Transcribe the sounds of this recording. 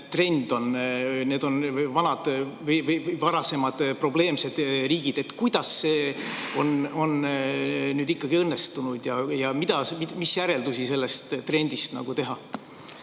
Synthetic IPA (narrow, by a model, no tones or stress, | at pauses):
t̪re̞nd̪̥o̞nne̞ːd̪̥o̞nvɑnɑd̪̥vjvjvɑɾɑse̞mɑd̪̥pro̞ble̞ːmse̞d̪̥riːɡ̥id̪̥e̞t̪ːkujd̪̥ɑsːe̞ːo̞no̞n | nyːd̪ikːɑɡ̥iɤnːest̪unud̪̥jɑjɑmid̪̥ɑsmimisjæɾe̞ld̪usise̞lːest̪t̪re̞nʲd̪ist̪nɑ̰ɡ̥ut̪e̞ɦɑ